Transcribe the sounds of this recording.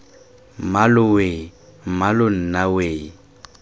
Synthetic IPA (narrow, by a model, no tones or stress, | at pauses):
malʊwe | m̩malʊn̩naweː